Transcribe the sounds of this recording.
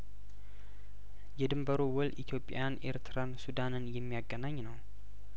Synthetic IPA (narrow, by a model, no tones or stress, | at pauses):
jɛd̪ɨmbəɾowɔlʔit̪ʰijo̞pʼa̰janʔe̞̰ɾt̪ʰɨɾansud̪anɨnjɛmːijaɡːənaɲːnəw